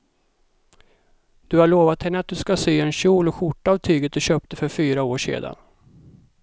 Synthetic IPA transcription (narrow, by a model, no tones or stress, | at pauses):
d̪̥ɵhaɭoːvat̪hɛnːəat̪̚d̪ɵskasyːɛnɕuːlɔɧʊʈːaːvt̪ʰyːɡət̪̚d̪ɵɕøːp̚t̪əfœɾfyːɾaoːʂḛːd̪a̰n